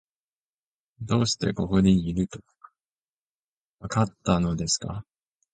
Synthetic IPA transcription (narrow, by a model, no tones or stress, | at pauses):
d̪o̞ːɕi̥t̪e̞̰ko̞koɲʲiiɾɯ̟t̪o̥k | βakat̪ːano̞d̪e̞sɨ̥ka̰